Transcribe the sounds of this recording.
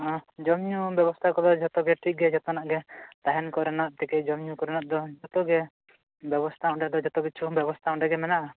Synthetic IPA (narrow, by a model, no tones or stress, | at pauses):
d͡ʒɔmɲubjɛbɔst̪ʰakɔd̪ɔd͡ʒɔt̪ɔɡɛʈʰik̚ɡɛd͡ʒɔt̪ɔnaʔɡɛt̪aɦɛnkɔɾɛnaʔ̪̚t̪ɛkɛd͡ʒɔmɲukɔɾɛnaʔ̪̚d̪ɔd͡ʒɔt̪ɔɡɛ | bjɛbɔst̪ʰaɔ̃ɖɛd̪ɔd͡ʒɔt̪ɔbit̪̚t͡ʃʰubjɛbɔst̪ʰaɔ̃ɖɛɡɛmɛnaʔa